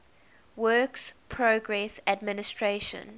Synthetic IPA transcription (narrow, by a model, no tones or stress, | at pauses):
wɜkspʰɹoɡɹɛsadmɪnɪstʰɹeʃə̰̃n